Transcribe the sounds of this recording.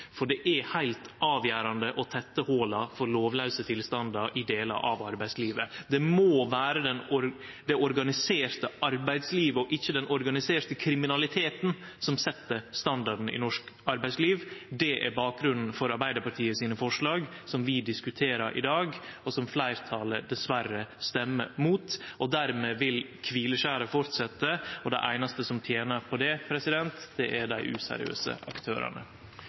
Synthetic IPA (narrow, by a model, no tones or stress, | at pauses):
fɔɖɛʔæhæɪlt̪ʔɑːʋjæːɾɑnd̪əʔɔt̪ʰɛt̪ːəhoːlɑfɔɾloːʋlœʉsət̪ʰɪlst̪ɑnd̪ɑɾʔɪd̪eːlɑ̰ʔɑʋɑɾbæɪsliːʋəd̪ɛmoːʋæːɾəd̪ɛnɔɾ | d̪ɛɔɾɡɑnɪseːɾt̪əʔɑɾbæɪd̪sliːʋəɔʔɪçːəd̪ɛnɔɾɡɑnɪseːɾt̪əkʰɾɪmɪnɑlɪt̪ʰeːt̪nsɔmsɛt̪ːəɾst̪ɑnd̪ɑɖn̩ɪ̰nɔʂkɑɾbæɪsliːʋd̪ɛʔæ̰ɾbɑːk̚ɡɾʉnn̩fɔɾɑɾbæɪd̪əɾpɑʈʰiːəsiːnəfɔʂɭɑːɡsɔmʋɪd̪ɪskʉt̪ʰeːɾɑɾʔɪ̰d̪ɑːɡɔsɔmflæɪɾt̪ʰɑːləɖ̪ɛsʋæɾəst̪ɛmːəmuːt̪ɔd̪æɾmeːʋɪlkʰʋiːləʂæːɾəfɔɾt̪sɛt̪ːəɔd̪æɪʔæɪnɑst̪əsɔmt̪ʰjeːnəɾpʰɔd̪ɛpʰɾɛsɪd̪ɛnt̪d̪̥ɛʔæɖæɪʔʉ̰sæ̰ɾɪ̰ø̰ːsə̰ʔɑkt̪ʰø̰ːɾɑ̰ɳə̰